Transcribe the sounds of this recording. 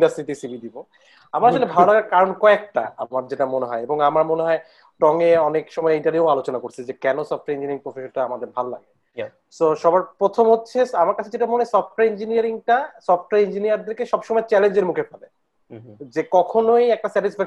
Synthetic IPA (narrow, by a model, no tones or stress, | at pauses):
ɖasit̪isibʱid̪ibo | amaɾaʃolebʱalolaɡaɾkaɾonkɔek̚ʈa̰amaɾd͡ʑeʈamoneɦɔeeboŋamaɾmoneɦɔe | ʈɔŋeɔnekʃɔmɔeiɳʈanjualot͡ɕonakoɾt͡ɕʰed͡ʑekɛnosɔf̚ʰʈaɾind͡ʑinɾiŋpɾofʰeʃonʈaamad̪eɾbʱalola̰ɡe | soʃɔbaɾpɾot̪ʰomɦotːɕʰeamaɾkat͡ɕʰed͡ʑeʈamonesɔfʈaind͡ʑiniaɾiŋʈasɔfʈaind͡ʑinijaɾd̪eɾkeʃɔbʃɔmɔet͡ɕɛlend͡ʑeɾmukʰefʰale | d͡ʑekɔkʰonoejɛk̚ʈasɛʈisfɛk